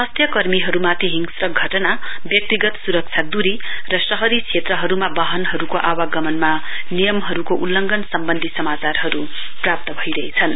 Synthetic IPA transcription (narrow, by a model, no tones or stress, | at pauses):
ʌst̪ʰjʌkʌrmiɦʌɾumat̪ʰiɦiŋɡsrʌɡʱʌʈʌnabjʌk̚t̪iɡʌt̪suɾʌk̚t͡sʰjad̪uɾirʌsʌɦʌɾit͡sʰet̪rʌɦʌɾumabaɦʌnɦʌɾukoʔawaɡʌmʌnma | nijʌmɦʌɾukoʔulːʌŋɡʌnsʌmbʌnd̪ʱisʌmat͡sarɦʌɾu | prap̚t̪ʌbʱʌjɾʌɦet͡sʰʌn